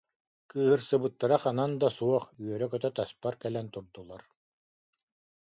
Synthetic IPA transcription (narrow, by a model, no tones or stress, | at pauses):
kɯːɦɯɾsɯbɯt̪ːaɾaχanand̪asuɔχyœɾœkœt̪œt̪aspaɾkɛlɛnt̪uɾd̪ulˠaɾ